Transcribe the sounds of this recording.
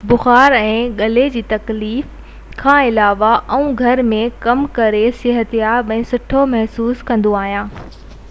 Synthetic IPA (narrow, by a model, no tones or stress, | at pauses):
bʊxaːɾɛ̃ːɠɐled͡ʑiːt̪ɐkliːf | kʰãːɪlaːʋaʔɐũɡʱɐɾmẽkɐmkɐɾesɪɦət̪ijabɐ̃ɦɪ̃sʊʈʰomɐɦsuːskɐ̃nd̪oaːɦijãː